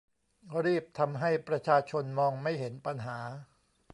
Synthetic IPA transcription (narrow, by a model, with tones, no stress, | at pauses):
ɾiː˥˩p̚t̪ʰa˧mɦa˥˩jpɾa˧t͡ɕʰaː˧t͡ɕʰo˧nmɔː˧ŋma˥˩jɦe˩˦npa˧nɦaː˩˦